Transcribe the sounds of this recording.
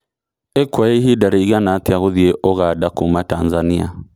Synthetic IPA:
ɛkwaeɦidaɾiiɣanatiaɣoðieʔɔɣadakumatanzania̰

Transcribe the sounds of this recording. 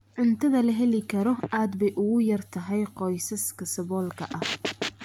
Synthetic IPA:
ʕʊnt̪ʰɐðɐlɐɦɛlɪkʰɐɾɔaːd̪bɛjʔʊɣʊjɐrt̪ʰɐɦɛjqɔjsɐskʰɐsɐβɔːlkʰɐʔɐh

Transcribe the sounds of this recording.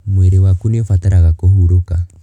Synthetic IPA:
mweɾewakuniɔfatɛɾaɣakohuɾoka

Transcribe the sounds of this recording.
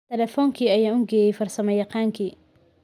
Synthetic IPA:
t̪ʰɛlɛfɔːŋkʰiːɐjaːʊŋɡɛːjɛjfɐrsɐmɛjɐqɑːŋkʰiː

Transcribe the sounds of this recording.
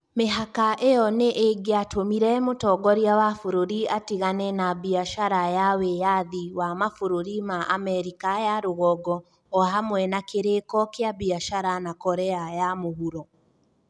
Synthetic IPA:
meɦakaʔejɔneʔeɡeatʰomiɾɛmotɔɡɔɾiawafoɾoɾiatiɣanɛnabiaʃaɾajawejaðiwamafoɾoɾimaʔamɛɾikajaɾoɣɔɡɔː | ɦamwɛnakeɾekɔkeaβiaʃaɾanakɔɾɛajamohuɾɔ

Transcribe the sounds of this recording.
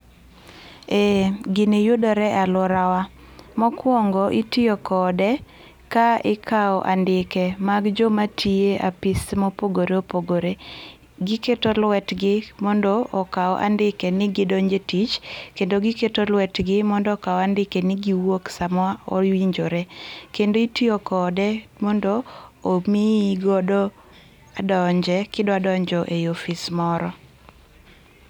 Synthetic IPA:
eɡɪnɪjʊdɔɾɛʔalɔɾawa | mɔkwɔŋɡɔʔitiokɔdɛ | kaɪkʰaɔʔa̰ndɪkɛmaɡd͡ʒomatʰieʔapɪsmɔpoɡoɾeopoɡoɾe | ɡɪketolwɛtɡɪmɔndɔʔɔkaɔ̰ʔa̰ndɪkɛnɪɡɪdoɲd͡ʒetit͡ʃkendoɡɪketolwɛtɡɪmɔndɔɔkaɔandɪkenɪɡiwoksamwao̰wiɲd͡ʒoɾekendoitiokɔdɛmɔndoːmiɡɔdɔ | adɔɲd͡ʒɛkɪdɔadɔɲd͡ʒɔʔeofismɔɾɔ

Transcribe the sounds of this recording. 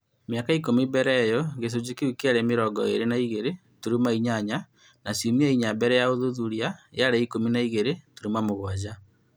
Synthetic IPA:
mjakaik̬omibɛɾɛjɔɣes̬od͡ʑikewikeaɾemeɾɔɡɔḛɾenaiɣeɾe | tuɾimaiɲaɲa | nasomiaiɲabɛɾɛjaoðuðuɾiaeaɾeikominaiɣeɾetuɾimamoɣwad͡ʑa

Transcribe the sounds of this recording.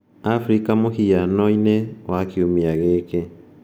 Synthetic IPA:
afɾikamohijanɔinewakiumiaɣeke

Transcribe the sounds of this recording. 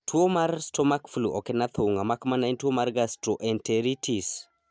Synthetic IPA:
tʰuomarstomakfuluʔɔkɛnat̪ʰouŋamakmanaintwomaɾɡastɾoʔɛnteɾitʰis

